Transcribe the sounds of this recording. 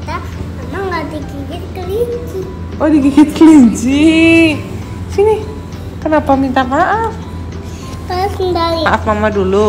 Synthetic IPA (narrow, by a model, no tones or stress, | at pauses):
ta | mamaŋladiɡiɡɪt̪̚kəliɲd͡ʒi | ʔodiɡiɡɪt̪̚kəliɲd͡ʒi | sini | kənapamint̪amaʔaf | t̪aasindawiaʔafmamadulu